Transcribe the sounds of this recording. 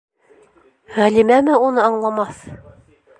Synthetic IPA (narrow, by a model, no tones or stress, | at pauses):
ʁælimæmɘunɤɑɴlˠɑmɑθ